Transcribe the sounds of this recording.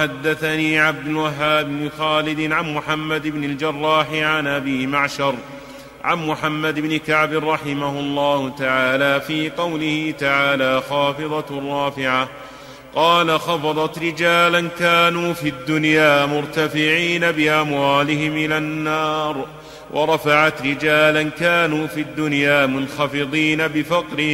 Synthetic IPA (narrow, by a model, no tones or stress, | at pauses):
ħad̪ːaθaniːʕab̚d̪ʊlwaɦːaːbɪnɪxaːlɪd̪ɪnʕanmʊħamːad̪ɪbnɪld͡ʒɑrˤːɑːħɪʕanʔabiːmaʕʃɑɾˤ | ʕa̰nmʊħamːad̪ɪbnɪkaʕbɪrˤːɑħɪmahʊlˤːɑːhʊt̪aʕaːlaːfiːqɑwlɪhɪt̪aʕaːlaːxɑːfɨðˤɑrˤːɑːfɪʕa | qɑːlaxɑfɑðˤɑt̪ɾɪd͡ʒaːlankaːnuːfid̪ːʊnjaːmʊɾt̪afɪʕiːnabɪʔamwaːlɪɦɪmʔɪlanːɑːɾˤ | wʔɑ̰ɾˤɑfaʕat̪ɾɪd͡ʒaːlankaːnuːfiad̪ːʊnjaːmʊnxɑfɪðˤiːnabɪfɑqɾɪh